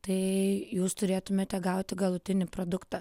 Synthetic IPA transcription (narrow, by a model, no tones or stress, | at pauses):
t̪ɐɪjuːst̪ʊɾʲeːt̪ʊmʲeːt̪ʲɛɡɐʊt̪ʲɪɡɐlˠʊt̪ʲɪnʲɪpɾoːd̪ʊkt̪ɐ